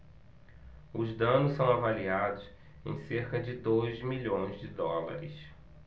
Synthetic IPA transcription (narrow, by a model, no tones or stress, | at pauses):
ʊzd̪ɐ̃nʊssɐ̃w̃avaliad̪ʊs | ḛ̃j̃seɾkɐd͡ʒɪd̪ojzmiʎõj̃zd͡ʒɪd̪ɔla̰ɾɪs